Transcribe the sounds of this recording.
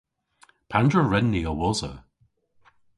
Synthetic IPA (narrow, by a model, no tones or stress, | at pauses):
pʰandɹəɹɛnːiəwɔzə̰